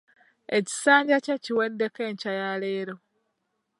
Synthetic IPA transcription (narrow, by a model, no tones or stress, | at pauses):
eci̥saːɲɟaceciwedːeke̞ːɲcajaleːɾo̞